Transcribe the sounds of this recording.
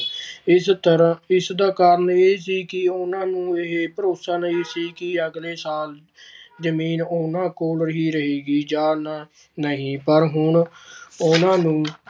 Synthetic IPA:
ɪtəɾɪsd̪aːkaːɾəɳeːsiːkɪʊnãːnũːɪɦepəɾoːsaːnəiːsiːkɪəɡleːsaːl | d͡ʒəmiːnʊnãːkoːlɾəɦiːɾəɦeːɡiːd͡ʒaːna | nəɦĩːpəɾɦʊɳʊnãːnũː

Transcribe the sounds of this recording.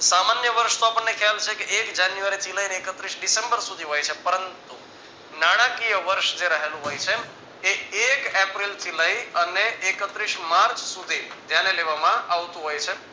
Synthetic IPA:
samanjəʋəɾʃt̪oapəɳnekʰjalt͡ʃʰekeʔekd͡ʒanjuʋaɾit͡ʃilajneːkət̪ɾiʃɖisembəɾsud̪ʱiɦojt͡ʃʰepəɾənt̪u | naɽ̃akijəʋəɾʃd͡ʒeɾəɦelũɦojt͡ʃʰe | eekepɾilt͡ʃilaiəneʔekət̪ɾiʃmaɾt͡ʃsud̪ʱid͡ʒjaneleʋamãʔaʋt̪ũɦojt͡ʃʰe

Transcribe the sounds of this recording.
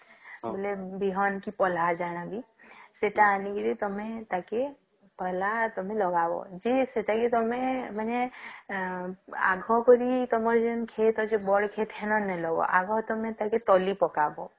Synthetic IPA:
bolebiɦɔnkipɔlad͡ʒañabi | seʈaːnikiɾit̪ɔmẽt̪ake | pəlat̪ɔmẽlɔɡabɔ̰d͡ʒiseʈaket̪ɔmẽmane | a̰ɡʱɔkɔɾit̪ɔmɔɾd͡ʒenkʰet̪ɔd͡ʒebɔɽkʰet̪ɦenɔnɛlɔbɔ̰ʔaɡʱɔt̪ɔmẽt̪aket̪ɔlipɔkabɔ̰

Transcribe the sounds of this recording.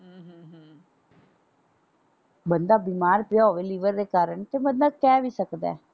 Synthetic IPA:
ɦːɦə̃ːɦə | bənd̪aːbiːmaːɾpɪjaːoʋeːliːʋəɾd̪eːkaːɾəɳt̪eːmənd̪aːkɛːʋiːsəkd̪a̰ɛː

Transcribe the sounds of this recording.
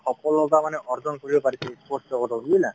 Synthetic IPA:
kʰɔpʰɔlɔɡamanɛʔɔɾd͡ʒɔnkoɹibɔpaɾisʰɛspɔstɔkɔtɔɾuila

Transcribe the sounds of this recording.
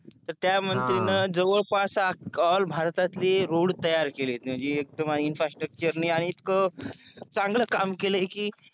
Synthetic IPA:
t̪əɾt̪jamənt̪ɾinəd͡zəʋəɭpasaalbʱaɾt̪at̪leɾoɽt̪əjaɾkelet̪mad͡ʑiek̚d̪əmaiinfɾasʈɾək̚t͡ɕəɾniaɽ̃iːt̪kə | t͡saŋɡləːkamkeləekiː

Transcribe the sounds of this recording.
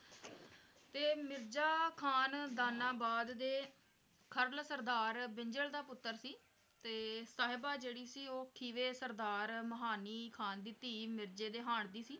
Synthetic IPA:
t̪eːmɪɾd͡ʒaːkʰaːnd̪aːnaːbaːd̪d̪eː | kʰəɾlsəɾd̪aːɾbɪɲd͡ʒəld̪aːpʊt̪ːəɾsiː | t̪eːsaːɦɪbaːd͡ʒeːɽiːsiːoːkʰiːʋeːsəɾd̪aːɾməɦaːniːkʰaːnd̪ɪt̪ːiːmɪɾd͡ʒeːd̪eːɦaːɳd̪iːsiː

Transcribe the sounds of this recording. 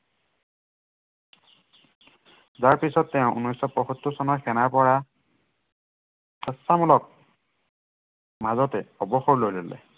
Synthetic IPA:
zaɹpisɔtːɛʊ̃ʔunːɔjsɔpɔxɔtːusɔnɔxʰɛnaɹpɔɹa | kʰɛsːamɔlɔk̚ | mazɔtɛɔbɔxɔɹlojlolɛ̰

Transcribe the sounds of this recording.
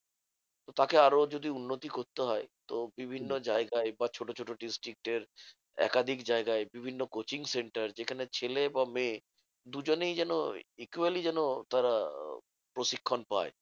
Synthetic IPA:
t̪ot̪akeaɾod͡ʑod̪iunːot̪ikoɾt̪eɦɔet̪obibʱinːod͡ʑaeɡaebat͡ɕʰoʈot͡ɕʰoʈoɖisʈɾik̚ʈeɾ | ɛ̰kad̪ʱikd͡ʑaeɡaebibʱinːokot͡ɕiŋseɳʈaɾd͡ʑekʰanet͡ɕʰelebamẽ | d̪ud͡ʑonejd͡ʑɛnoikualid͡ʑɛnot̪aɾa | pɾoʃikʰːonpa̰e

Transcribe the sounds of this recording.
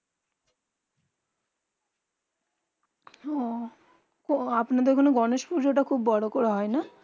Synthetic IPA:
ɔ | koapnad̪eɾkʰonoɡɔneʃpuɾd͡ʑoʈakʰubːɔɽokɔɾaɦɔena

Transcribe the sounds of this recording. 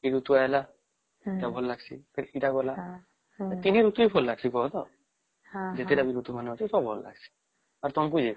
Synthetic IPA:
biɾut̪uajla | itabʱɔlːaɡsḭpɛitaɡɔla | at̪inɛɾut̪uipʰɔlːaɡsikɔɦɔt̪ɔ | zet̪ɛdabiɾut̪umanuɦasɛsɔbʱɔlːa̰ɡsi̥ | aɾt̪ɔnp̬uzi

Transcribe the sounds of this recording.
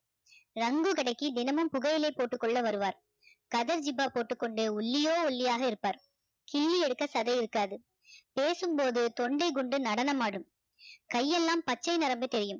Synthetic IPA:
ɾɐŋɡɯkɐɽɐɪkːid̪ɪnɐmɯmpʊɣɐjɪlɐɪpːoːʈːɯkːɔɭːɐʋɐɾɯʋaːɾ | kɐðɐɾd͡ʒɪbaːpoːʈːɯkːɔɳɖɯʊɭːɪjoːɔɭːɪjaːɣɐɪɾɯpːaːɾ | kiːliɛɽɯkːɐsɐðɐɪɪɾɯkːaːðɯ | peːsɯmpoːðɯt̪ɔɳɖɐɪɡʊɳɖɯnɐɽɐnɐmaːɽɯm | kɐjːɛlːaːmpɐt͡ʃːɐɪnɪɾɐmbɯt̪ːɛɾɪjɯm

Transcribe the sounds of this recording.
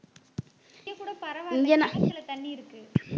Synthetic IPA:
ɐkuːɽɐpɐɾɐʋaːɪŋɡɛnaɐlɐt̪ɐɳːiɪɾɯkːɯ

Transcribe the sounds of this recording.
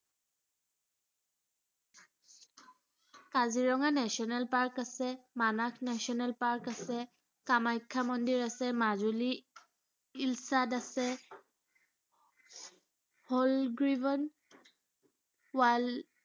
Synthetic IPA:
kaziɹɔŋanɛsiɔnɛlpaɹkasɛmanakʰnɛsiɔnɛlpaɹkasɛ | kamajkʰːamɔndiɹasɛmazuli | ilsadasɛ | hɔlɡɹibɔn | wal

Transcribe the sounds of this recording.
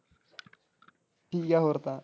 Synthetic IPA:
ʈiɡaɦoɾt̪a

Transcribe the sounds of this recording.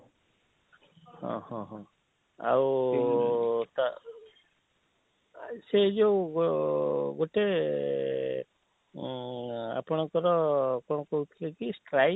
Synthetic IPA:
hɔ̰̃hɔ̃ɦɔ̃ | a̰w | t̪a | sed͡ʒewɡoɡoʈe | a̰pɔɽ̃ɔŋkɔɾɔkɔɽ̃ɔkɔɦut̪ʰilekisʈɾa

